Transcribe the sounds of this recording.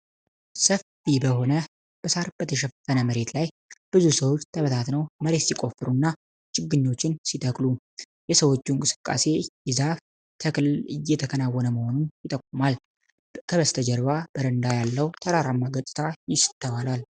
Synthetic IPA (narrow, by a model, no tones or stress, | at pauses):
səfibəɦo̞nə | b̥əsaɾb̥ət̪ʰəʃ̬ɛfənəməɾe̞t̪laj | b̥ɨzusəwot͡ʃːt̪ʰəβət̪ʰat̪nəwməɾe̞t̪sikʼo̞fɨɾunːa | t͡ʃʼɪɡːɨɲːo̞t͡ʃːɪnsit̪ʰʼəkʼlu | jɛsəwo̞t͡ʃːunkʼɨsɨ̥kʼːa̰se̞jɪzaf | t̪ʰəjɛt̪ʰəkʰənawːɔnəməho̞nunjɪt̪ʼəkʼːumal | kʰəβəst̪ʰəd͡ʒɛɾβab̥əɾənd̪ajalːəwt̪ʰəɾaɾamːaɡət̪ʼɨ̥t̪ʰajɪsɨ̥t̪ʰːəβalal